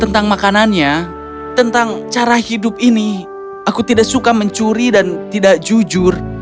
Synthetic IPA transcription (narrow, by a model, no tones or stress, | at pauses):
t̪ənt̪aŋmakananɲa | t̪ənt̪aŋt͡ʃaɾahidʊp̚ini | akut̪idak̚sukaməɲt͡ʃuɾidant̪idak̚d͡ʒud͡ʒʊr